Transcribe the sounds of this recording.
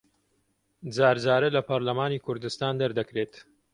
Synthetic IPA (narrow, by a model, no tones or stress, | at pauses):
d͡zaːɾd͡zaːɾɐlɐpʰɐɾlɐmaːniːkʰʊɾd̪ɨst̪aːnd̪ɐɾd̪ɐkɾeːt̪